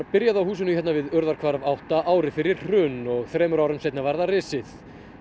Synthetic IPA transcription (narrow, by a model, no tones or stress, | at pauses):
pɪɾjaðawhuːs̬ɪnʏhɛt̪navɪðœɾðaɾ̥kʰvaɾavawht̪aʔaːwɾɪfɪɾɪɾ̥r̥ʏnɔɣθɾɛːmʏɾawɾʏmseːjt̪navaɾðarɪːsɪθ